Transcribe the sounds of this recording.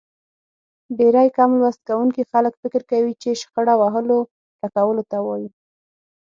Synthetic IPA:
beɾɑjkɑmlwast̪̚kawuŋkixaləkfɪkɪɾkawit͡ʃeʃxəɽawaɦəlo | ɾakawəlot̪awɑji

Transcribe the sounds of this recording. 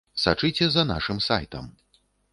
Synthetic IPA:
sat͡ʂɨt͡sʲɛzɐna̰ʂɨmsa̰jt̪ɐ̰m

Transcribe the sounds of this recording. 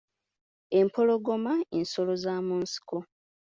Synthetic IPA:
e̞mpʰo̞lo̞ɡo̞maenso̞lo̞zaːmuːnsi̥ko

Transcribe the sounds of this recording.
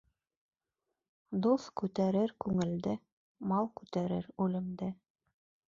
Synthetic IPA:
d̪uskʉt̪æɾɘɾkʉŋɘ̆ld̪ɘ | mɑlˠkʉt̪æɾɘɾʉlɘ̆md̪ɘ

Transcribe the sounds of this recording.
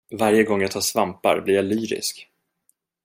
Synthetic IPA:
vaɾjəɡɔŋːjat̪ʰɑːsvampa̰ɾblɪɾjalyːɾɪ̰sk

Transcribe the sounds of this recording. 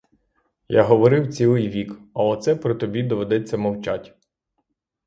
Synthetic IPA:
jaɦɔʋɔɾɪwt͡sʲilˠɪjʋʲikɐlˠɛt̪sɛpɾɔt̪ɔbʲid̪ɔʋed̪ɛt͡sʲːɐmɔwt͡ʃatʲ

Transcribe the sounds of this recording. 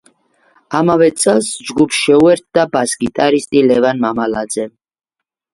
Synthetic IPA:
amavɛt̪sʼɛlˠsd͡ʒɡupʰsʃɛuɛɾt̪̚ʰd̪abaskʼit̪ʼaɾist̪ʼilɛvanmamalad̪zɛ

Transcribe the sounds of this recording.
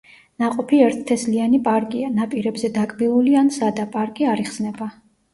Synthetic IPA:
naqʼɔpʰiɛɾt̪ʰt̪ʰɛslianipʼaɾkʼianapʼiɾɛbzɛd̪akʼmilˠuliansad̪apʼaɾkʼiaɾiχsnɛba

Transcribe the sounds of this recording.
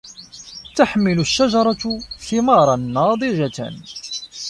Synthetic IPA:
t̪aħmɪlʊʃːaʒɑɾˤɑt̪θɪmɑɾˤɑnːɑːd̪ˤɨʒat̪æ̰n

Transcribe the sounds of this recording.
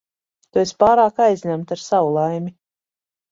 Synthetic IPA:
t̪uespaːɾaːkajzʲɲæmt̪aɾsawulˠajmʲi

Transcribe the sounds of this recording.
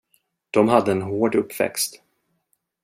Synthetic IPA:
d̪̥ɔmɦad̪ːəɛnɦoːɖɵpːvɛ̰kst̪

